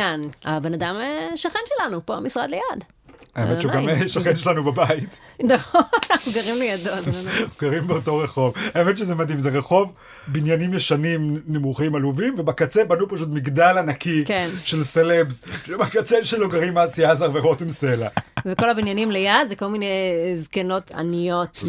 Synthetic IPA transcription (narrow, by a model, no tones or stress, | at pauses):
ana̰be̞nadameʃaχenʃelanupoa̰misʁa̰d̪lejad | aemeʃenɡamʃaχenʃelanubabait̪ | daoanaχnuɡaʁimlejadozanuɡaʁimbeoto̞ʁeχo̞vaemenʃezemadimzeʁeχo̞v | binjanimjeʃanimnemuχimaluvimvebakat͡sebanupaʃ̬utmiɡdalanakikenʃelselebzʃemakat͡seʃeloɡaʁimasiazaʁveʁotimselaveko̞labinjanimlejad̪zeko̞lminejzkeno̞t̪a̰nijo̞t̪